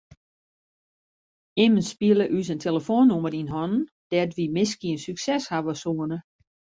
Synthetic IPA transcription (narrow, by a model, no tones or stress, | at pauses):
ɪmənspiələʔysəntʰeləfoːnːuməɾinɦɔnn | d̥ɛtʋimɪs̬kiənsyksɛshaʋəsuənə